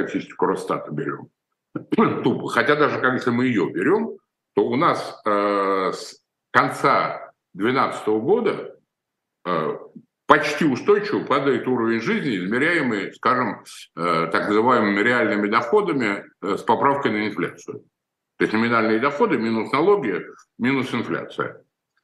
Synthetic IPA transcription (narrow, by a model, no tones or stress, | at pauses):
ɐtʲisʲtʲɪ̥kʊɾost̪a̰t̪əbʲɪɾʲo̞̰m | t̪upəxɐtʲad̪aʐɨkakjesʲlʲɪmɨɪjo̞bʲɪɾʲo̞m | t̪o̞ʊnasəs | kɐnt̪sa | d̪vʲɪnat̪sə̥t̪əvəɡo̞d̪ə | ə | pɐt͡ɕtʲiʊst̪o̞jt͡ɕɪvəpad̪əjɪt̪uɾəvʲɪnʲʐɨzʲnʲɪɪzmʲɪɾʲæjɪmɨjskaʐɨmət̪aknəzɨvajɪmɨmʲɪɾʲɪalʲnɨmʲɪd̪ɐxo̞d̪əmʲɪspɐpɾafkəjnəɪnflʲa̰t̪sɨjʊ | t̪oɪsʲtʲnəmʲɪnalʲnɨjəd̪ɐxo̞d̪ɨmʲinʊsnɐlˠo̞ɡʲɪjə | mʲinʊsɪnflʲa̰t̪sɨ̰jə̰